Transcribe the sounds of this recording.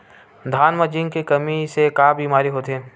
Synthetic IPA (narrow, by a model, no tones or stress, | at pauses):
d̪ʱaːnməd͡ʒɪ̃ŋɡkekɐmisekaːbiːmaːɾiɦoːt̪ɦẽː